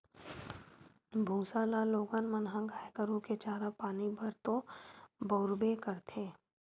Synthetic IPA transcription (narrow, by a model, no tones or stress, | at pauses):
bʱũːsaːlaloːɡanmənɦãɡaːekəɾũket͡ʃaːɾapaːnibəɾt̪obəʊɾbekəɾt̪ʰeː